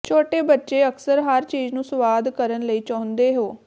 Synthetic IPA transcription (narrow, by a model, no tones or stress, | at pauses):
t͡ʃʰoːʈeːbətːʃeːəksəɾɦəɾt͡ʃiːznũːsʋaːd̪kəɾənləiːt͡ʃaːʊ̃nd̪eːɦoː